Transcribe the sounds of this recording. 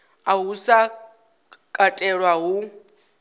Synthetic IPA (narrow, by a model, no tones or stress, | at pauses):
aɦusa | kʼatʼɛɺwaɦu